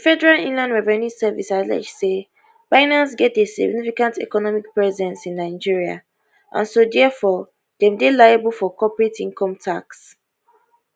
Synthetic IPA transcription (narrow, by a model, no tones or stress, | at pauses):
əfɛdɛɹalĩnlãndɹɛvɛnĩsɛvḭsalɛ̰d͡ʒse | faɪnãns̬ɡɛt̚desḭɡnifikãntɛ̰kɔnɔmik̚pɹɛzɛ̃nsĩnːaɪd͡ʒiɹia̰ | ʔã̰nsodɛfɔ | dɛ̃mdelajabəlfɔkɔpɹetĩŋkɔ̃mtʰaks